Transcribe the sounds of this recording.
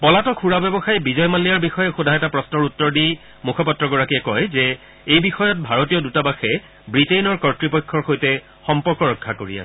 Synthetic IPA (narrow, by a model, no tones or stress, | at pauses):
pɔlatɔkʰuɹabɛbɔxajbizɔjmalːijaɹbixɔjɛxodʱajɛtapɹɔsnɔɹutːɔɹdi | mukʰɔpɔtɹɔɡɔɹakiɛkɔjzɛ | ejbixɔjɔt̚bʱaɹotijɔdutabaxɛ | bɹitejnɔɹkɔɹtɹipɔjkʰːɔɹxojtɛ | xɔmpɔɹkɔɹɔkʰːakoɹḭa̰s